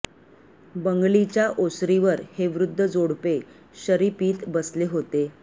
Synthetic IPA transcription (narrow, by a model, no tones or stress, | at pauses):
bəŋɡɭit͡ɕjaʔosɾiʋəɾheʋɾud̪ʱːəd͡zoɽpe | ɕəɾipiːt̪bəsleɦot̪e